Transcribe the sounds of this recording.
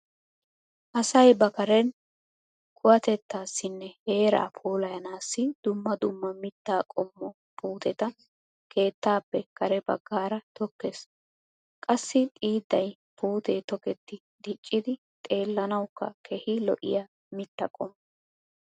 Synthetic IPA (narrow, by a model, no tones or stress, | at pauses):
ʔɐsɐjbɐkɐɾɛn | kʰʊwɐt̪ɛt̪ːaːsːɪnːɛhe̞ːɾa̰ːpʰoːlɐjɐnaːsːɪd̪̥ʊmːɐd̪ʊmːɐmɪt̪ːaːkʼɔmːɔ | puːt̪ɛt̪ɐ | kʰe̞ːt̪ːaːpːɛkɐɾɛbɐ̰ɡːaːɾɐt̪ɔkːeːs | kʼɐsːɪt̪ʼiːd̪ːɐj | puːt̪eːt̪ɔkɛt̪ːɪ | d̪ɪt͡ʃʼːɪd̪ɪ | t̪ʼe̞ːlːɐnɐwkːɐ̰kʰɛhɪlɔʔɪ̰jaː | mɪt̪ːɐkʼɔmː